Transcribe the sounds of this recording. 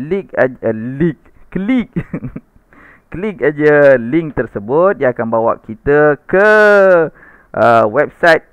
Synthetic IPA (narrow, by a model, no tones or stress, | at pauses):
lika̰d͡ʒəlik̚ːlik̚ | lik̚ad͡ʒəliŋk̚t̪ərsəbʊt̪̚iaakanbawa̰ʔkit̪əkə | ʔəwɛp̚sajt̪̚